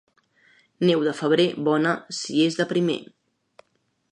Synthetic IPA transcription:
nɛwðəfəβ̞ɾeβɔnəsiezðəpɾimḛn

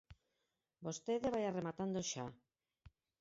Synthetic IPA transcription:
bost̪eðeβ̞ajaremat̪and̪oʃa

